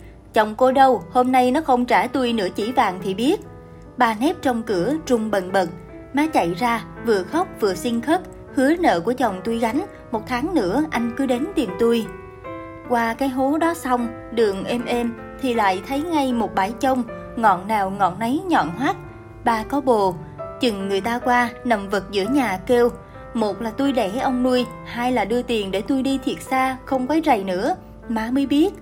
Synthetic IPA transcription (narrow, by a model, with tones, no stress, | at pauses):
t͡ɕɔ˨˩wŋ͡mko˧ɗə˧who˧mna˧jnɔ˨˦xə˧wŋ͡mt͡ɕaː˧˩t̪u˧jnɨ̰˧˥ət͡ɕi˧˩va̰ː˧˨ŋt̪ʰi˨˩ɓi˦˥ət̚ | ɓaː˨˩nɛ˦˥p̚t͡ɕɔ˧wŋ͡mkɨ˧˩˦əzʊ˨˩ŋ͡mɓə˨˩nɓə˨˩t̚ | maː˨˦t͡ɕa̰˧˨jzaː˧vɨ̰˧˨əxɔ˦˥wk͡p̚vɨ̰˨˧˨əsi˧ŋxə˦˥t̚ | hɨ˨˦ənə̰ː˧˨ku˧˩ət͡ɕɔ˨˩wŋ͡mt̪u˧jɣa˨˦jŋ̟ | mo˨˩t̚t̪ʰaː˨˦ŋnɨ̰˧˥əʔa˧jŋ̟kɨ˨˦ɗe˨˦nt̪i˨˩əmt̪u˧j | kwaː˧kaː˨˦jɦo˨˦ɗɔ˨˦sa˧wŋ͡m | ɗɨ˨˩əŋʔɛ˧mʔɛ˧m | t̪ʰi˨˩la̰ː˧˨jt̪ʰə˨˦jŋa˧jmo˨˩t̚ɓaː˧˩jt͡ɕə˧wŋ͡m | ŋɔ̰˧˨nnaː˨˩wŋɔ̰˧˨nnə˨˦jɲɔ̰˧˨nhwaː˦˥t̚ | ɓaː˧kɔ˨˦ɓo˨˩ | t͡ɕɨ˨˩ŋːɨ˨˩əjt̪aː˧kwaː˧nə˨˩mvə˨˩t̚zɨ̰˧˥əɲaː˨˩ke˧w | mo˨˩t̚laː˨˩t̪u˧jɗɛ˧˩ʔə˧wŋ͡mnu˧əj | haː˧jlaː˨˩ɗɨ˧ət̪i˨˩ənɗe˧˩t̪u˧jɗi˧t̪ʰi˨˩ət̚saː˧xə˧wŋ͡mkɔː˨˦jzə˨˩jnɨ̰˧˥ə | maː˨˧mɨ˧˨˧jɓi˦˥ət̚